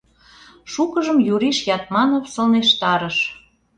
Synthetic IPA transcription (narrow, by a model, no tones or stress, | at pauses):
ʃukəʒəmjuɾiʃjɑt̪̚mɑnofsɤlneʃt̪ɑɾəʃ